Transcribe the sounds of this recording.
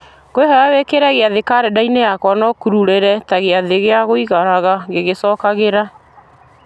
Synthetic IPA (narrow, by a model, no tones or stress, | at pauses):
ɣoeɦɔɾawekeɾɛɣeaðekaɾɛdainejakwanɔkuɾuɾeɾɛtaɣeaðeɣeaɣoiɣaɾaɣaɣeɣesɔːkaɣeɾa